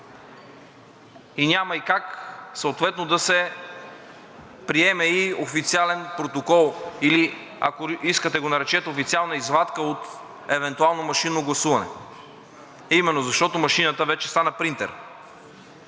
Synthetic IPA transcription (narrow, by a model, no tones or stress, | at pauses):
inʲamɐikaksəot̪vɛt̪nod̪ɐsɛ | pɾiɛmɛiofit̪sialɛnpɾot̪okɔlˠili | ɐ̰koiskət̪ɛɡonɐɾɛt͡ʃɛt̪ofit̪sialˠnəizvat̪kəot̪ | ɛvɛnt̪ualˠnomɐʃinoɡlˠɐsuvɐnɛ̰ | ɐimɛnːozɐʃt̪ɔt̪omɐʃinət̪əvɛt͡ʃɛ̥st̪anəpɾint̪ɛ̰ɾ